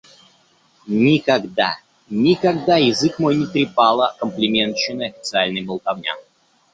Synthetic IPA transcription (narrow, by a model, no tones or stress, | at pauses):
nʲɪkaɡd̪a̰ | nʲɪkaɡd̪ajɪzɨkmo̞jnʲɪt̪ɾʲɪpalˠəkəmplʲɪmʲe̞nt̪t͡ɕːɪnɨjɐfʲɪt̪sɨalʲnɨjbəlˠk̪ɐvnʲa̰